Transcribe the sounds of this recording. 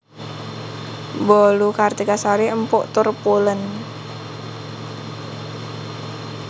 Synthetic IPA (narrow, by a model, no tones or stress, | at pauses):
bɔlukart̪ikasaɾiəmpʊ̰ʔt̪ʊrpulən